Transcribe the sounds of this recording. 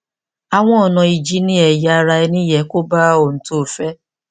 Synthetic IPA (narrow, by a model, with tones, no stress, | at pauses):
a˨w̃ɔ̃˦ɔ˨nã˧i˨d͡ʒi˦nĩ˦ɛ˨ja˨˦˧ɾa˧ɛ˧nĩ˦jɛ˨˦ko˦ba˦o˨n̩˨to˦˨fɛ˦